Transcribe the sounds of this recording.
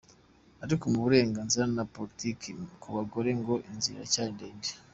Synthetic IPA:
aɾikomuβuɾe̞ːŋɡaːnziɾanapo̞ɾitikikʰuβaɡo̞ɾe̞ŋɡo̞ʔinzḭɾa̰caːndeːndi̥

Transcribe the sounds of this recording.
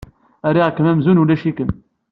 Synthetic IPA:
æɾiʁkːəmæmzunulæʃikəm

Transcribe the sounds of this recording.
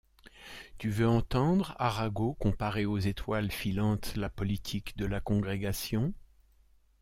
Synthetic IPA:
t̪yvøɑ̃t̪ɑ̃d̪ʁaʁaɡokɔ̃paʁeozet̪ʰwalfilɑ̃t̪lapɔlit̪ʰikd̪əlakɔ̃ɡʁeɡasjɔ̃

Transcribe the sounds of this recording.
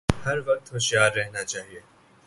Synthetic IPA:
hɐɾʋɐq̚t̪hoʃjaːɾːɛɦnat͡ʃaːɦieː

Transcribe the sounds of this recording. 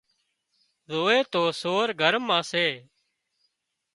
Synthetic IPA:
zoːeːt̪oːsoːɾɡʱəɾmãːseː

